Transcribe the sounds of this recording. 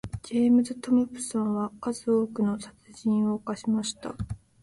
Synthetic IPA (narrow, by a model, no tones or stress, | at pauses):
d͡ʑe̞ːmɯ̟zɨt̪o̞mɯ̟pɯ̟̥sãɰ̃βakazɨo̞ːkɯ̟no̞sat͡sɨʑĩɰ̃o̞kaɕimaɕi̥t̪a̰